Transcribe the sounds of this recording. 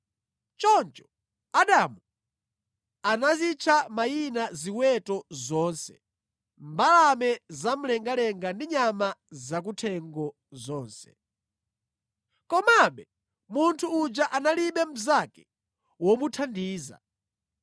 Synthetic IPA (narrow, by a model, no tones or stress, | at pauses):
t͡ʃɔnt͡ʃɔ̥ | aɗamu | anazit͡ʃʰamajinaziwɛtɔzɔːnsɛ̥̰ | mbalamɛzam̩lɛŋɡalɛŋɡandiɲamazak̬utʰɛŋɡɔ | zɔːnsɛ̥̰ | kɔmaɓɛ | muntʰuːd͡ʒaʔanaliɓɛm̩zakɛ̥ | wɔmutʰandiːza̰